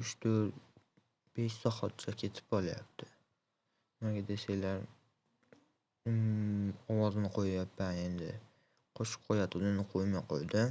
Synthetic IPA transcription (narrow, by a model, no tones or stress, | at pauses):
ʊʃt̪ʰoɾ | b̥eʃsɒhɒt̪̚t͡ʃʰakʲʰe̞t̪ʰɪ̥pɒlˠaja̰p̚t̪ʰɪ̥ | naɡʲad̪esajlaɾ | ɒwɒznɪqʰojajapʰːane̞nd̪ɪ̰ | qʰoʃɪ̥pqʰojat̪ʰɪd̪anɪqʰojmajqʰo̰jd̪ɪ